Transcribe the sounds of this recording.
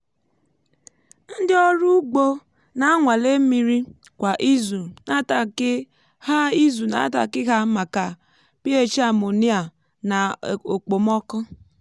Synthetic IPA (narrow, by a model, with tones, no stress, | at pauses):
n̩˦dɪ˦ɔ˦ɾu˦ɡ͡bo˦ | na˦a˦ŋʷa˨le˦mi˨ɾi˦ | kʷa˨ʔi˦zu˨na˦ta˨˦ | ha˦i˦zu˨na̰˨˦ta̰˨kɪ˦ɣa˦ma˨ka˨ | pi˦e˦t͡ʃi˦a˨mo˨ni˦a˨ | na˨o˨k͡po˨m˦ɔ˦kʊ˦